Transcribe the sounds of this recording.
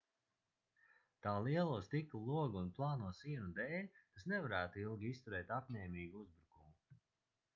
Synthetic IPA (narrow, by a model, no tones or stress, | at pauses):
t̪aːlˠiɛlˠuɔst̪iklˠulˠuɔɡːnplˠɑːnuɔsiɛnud̪ɛːlʲt̪asnɛvaɾæːt̪uilˠɡʲiist̪uɾɛːt̪apɲʲɛːmiːɡuuzbɾukumu